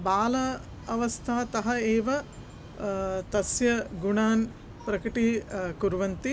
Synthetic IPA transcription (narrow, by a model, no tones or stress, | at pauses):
baːlɐ | ɐʋɐst̪ʰaːt̪ɐɦɐeːʋɐ | t̪ɐsjɐɡuɳaːn | pɾɐkiʈikuɾʋɐnt̪i